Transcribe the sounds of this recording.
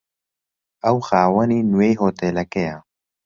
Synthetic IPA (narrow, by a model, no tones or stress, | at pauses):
ɐwxaːwɐninuwejɦoːt̪eːlɐkeja